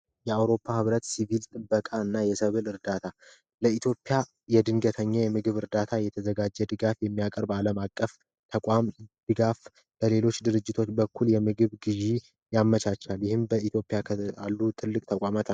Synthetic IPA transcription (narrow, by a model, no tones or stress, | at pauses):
jɛawɾo̞pʰːahɨβɾət̪sivilt̪ʼɨbːəkʼaɨnːajɛsəβɨlɨɾd̪at̪ʰa | ləit̪ʰjo̞pʼːija | jɛd̪ɨŋɡət̪ʰəɲːajɛmɨɡɨβɨɾd̪at̪ʰajɛt̪ʰəzəɡad͡ʒːɛd̪ɨɡafjɛmːijakʼəɾbaləmakʼːəf | t̪ʰəkʷʼamd̪̥ɨɡaf | b̥əle̞lo̞t͡ʃːd̪ɨɾɨd͡ʒːɪt̪ʰo̞t͡ʃːbəkʰːuljɛmɨɡɨβɡɨʒi | jamːət͡ʃat͡ʃːaljɪhɨmbəit̪ʰjo̞pʼijakʰa̰lːut̪ʰɨlːɨkʼt̪ʰəkʷʼamat̪ʰa